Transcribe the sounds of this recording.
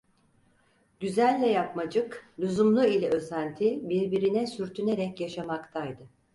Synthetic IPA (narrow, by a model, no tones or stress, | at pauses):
ɟ̥yzælʲːɛjap̚mad͡ʒɯklʲuzumlˠuilʲɛøsænt̪ʰibiɾbiɾinɛsyɾt̪ʰyne̞ɾɛcjaʃamakt̪ʰajd̪ɯ